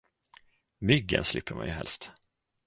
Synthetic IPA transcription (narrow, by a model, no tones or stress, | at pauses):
mʏɡːə̰nslɪpːəɾmanjɵɦɛ̰lst̪